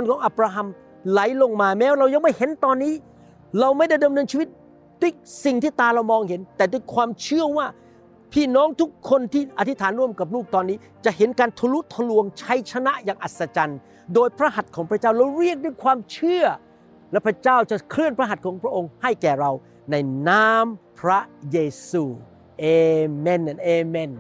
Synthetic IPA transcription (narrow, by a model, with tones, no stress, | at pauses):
nkʰɔː˨˦ŋʔaː˧˩p̚ɾaː˧ɦa˧m | la˨˩˦jlo˧ŋmaː˧mɛː˦˥wɾa˧wja˧ŋma˥˩jhe˨˦nt̪ɔː˧nːiː˦˥ | ɾa˧wma˥˩jda˥˩jdmnɤː˧nt͡ɕʰiː˧wi˦˥t̪̚ | du˥˩˨jsi˨˩ŋt̪ʰiː˥˩t̪aː˧ɾa˧wmɔː˧ŋɦe˩˦nt̪ɛː˨˩duː˧˩˨jkʰwaː˧mt͡ɕʰɯ˥˩əwaː˥˩ | pʰiː˥˩nɔː˦˥ŋt̪ʰu˦˥kʰːo˧nt̪ʰiː˥˩ʔa˧˩t̪ʰi˦˥t̪ʰaː˩˦nɾu˥˩əmka˨˩p̚ɾuː˥˩k̚t̪ɔː˧nːiː˦˥ | t͡ɕa˨˩ʔhe˩˦nkaː˧nt̪ʰa˧lu˦˥t̪ʰːa˧lu˧əŋt͡ɕʰa˦˥jt͡ɕʰa˧na˦˥ʔjaː˨ŋʔa˨˩t̪̚sa˧t͡ɕa˧n | doː˧jpʰɾa˦˥ɦa˨˩t̪̚kʰɔː˩˦ŋpʰɾa˦˥t͡ɕaː˥˩wɾa˧wɾi˥˩ək̚duː˥˩˨jkʰwaː˧mt͡ɕʰɯ˥˩ɐ | lɛ˦˥pʰɾa˦˧˥t͡ɕaː˥˩wt͡ɕa˨˩ʔkʰɾɯ˥˩ənpʰɾa˦˥ɦa˨˩kʰɔː˨˦ŋpʰɾa˦˥ʔo˧ŋha˥˩jkɛː˨˩ɾa˧w | na˧jnaː˦˥mpʰɾa˦˥jeː˧suː˧˩ | ʔeː˧mɛ˧n˨ʔeː˧mɛ˧˩n